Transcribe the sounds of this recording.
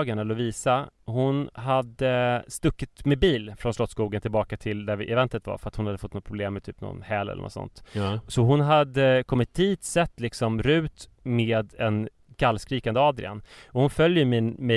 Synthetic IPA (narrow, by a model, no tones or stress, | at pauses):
ɡaɳalɵviːsahʊnɦad̪əst̪ɵkːɪt̪mɛbiːlfɾɔnslɔt̪skuːɡənt̪ʰɪlbɑːkat̪ʰɪld̪æɾʔɛvɛnt̪ət̪va̰ɾfœɾat̪hʊnhad̪ːəfɔt̪ːnɔt̪̚ːpʰɾʊbleːmːɛt̪ʰyːpnɔ̰nhɛːlɛ̰lə̰nʔɔ̰t̪sɔ̰nt̪sɔɦʊnɦad̪əkʰɔmːɪt̪̚d̪iːt̪sɛt̪ːlɪksɔmɾʉ̟ːt̪ | meːd̪ɛn | kʰalːskɾiːkand̪əɑːd̪ɾɪ̰a̰nɔhʊnfœljjəmɪmɛ